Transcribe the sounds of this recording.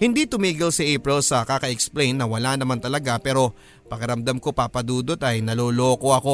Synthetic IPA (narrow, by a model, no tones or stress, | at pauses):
hɪnd̪it̪ʊmiːɡɪlsɐʔeːpɾɪlsɐkaːkɐʔɛksplejnːɐwɐlanɐmant̪ɐlɐɡapɛːɾo̞ | pɐkɐɾɐmd̪amko̞paːpɐd̪uːd̪o̞t̪ɐjnɐloːlo̞ːko̞ɐko̞